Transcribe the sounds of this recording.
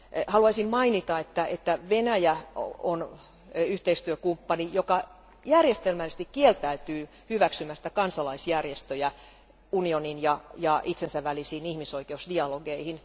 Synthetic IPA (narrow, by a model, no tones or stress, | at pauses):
hɑluɑisimmɑinit̪ɑet̪ːæet̪ːæʋenæjæon | yht̪eist̪yøkumpːɑnijokɑ | jærjest̪elmælːses̆t̪ikkielt̪æyt̪yː | hyʋæksymːæsi̥t̪æ̥kɑnsɑlɑisjærjest̪øjæ | unioninjɑjɑʔit̪sensæʋʋælisiːnihmisoikeusdiɑloɡeihin